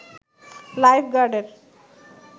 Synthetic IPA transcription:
lajfɡaɖeɾ

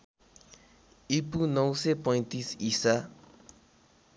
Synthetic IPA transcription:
ipunõwsepɔ̃j̃nt̪isisa

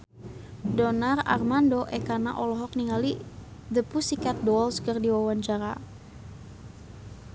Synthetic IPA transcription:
dɔnara̰rmandoʔɛkana̰ʔɔlɔɦɔk̚niŋalid̪əpusikat̪̚dɔlskərdiwawaɲt͡ʃaɾa̰

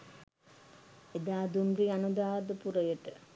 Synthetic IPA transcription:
ed̪aːd̪umriɐnud̪aːʋd̪əpuɾɐjəʈə

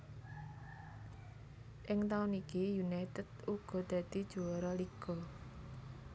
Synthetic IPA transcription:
ʔɪŋt̪aʊnikijunajt̪əd̪̥uɡ̥ɔ̤d̪̥ä̤d̪̥id̥ʒ̥oɔɾɔliɡ̥ɔ

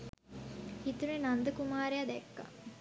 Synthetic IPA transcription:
hit̪unenand̪əkumaːɾejad̪ɛkːa̰

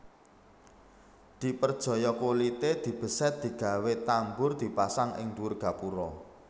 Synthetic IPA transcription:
d̪̥i̤pərd̥ʒ̥ɔ̤jɔkolit̪ed̪̥i̤b̥ə̤sɛt̪̚d̪̥i̤ɡ̥a̤wet̪ambʊrd̪̥i̤pasaŋʔɪ̰ŋd̪uʊrɡ̥ä̤puɾɔ

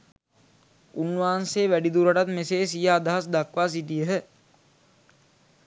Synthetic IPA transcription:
unʋaːnseːʋæɖid̪uɾɐʈat̪meseːsijaːd̪aɦas̬d̪akʋaːs̬iʈijəɦə

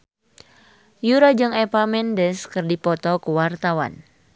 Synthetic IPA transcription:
juɾad͡ʒɨŋɛpamɛndəskɨrdipɔt̪ɔkəwart̪awa̰n

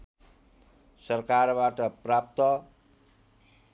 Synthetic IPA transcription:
sʌrkarbaʈʌprap̚t̪ʌ

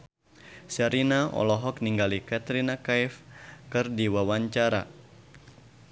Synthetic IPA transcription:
saɾinaɔ̰lɔɦɔkniŋɡalikat̪ɾinakajfkɨrdiwawaɲt͡ʃaɾa̰

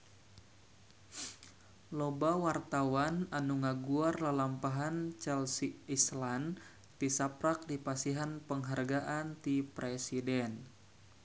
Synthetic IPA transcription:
lobawart̪awananuŋaɡuarlalampaɦant͡ʃalsiislan | t̪isapɾak̚dipasiɦanpəŋɦarɡaʔant̪ipɾesidɛn

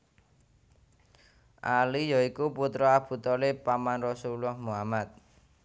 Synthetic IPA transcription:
ʔalijɔikuput̪ɾɔab̥ṳt̪ɔlepamanrɔsulɔhmuamat̪̚

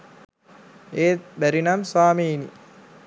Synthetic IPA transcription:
eːbæɾinamsaːmeːnḭ

